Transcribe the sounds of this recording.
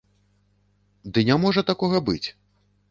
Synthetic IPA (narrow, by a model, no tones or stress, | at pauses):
d̪ɨnʲamɔʐɐt̪akɔɣɐbɨt͡sʲ